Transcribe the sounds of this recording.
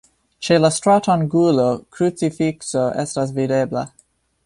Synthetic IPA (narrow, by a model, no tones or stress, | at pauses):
t͡ʃelastɾatanɡulokɾut͡sifiksoʔestas̬videbla̰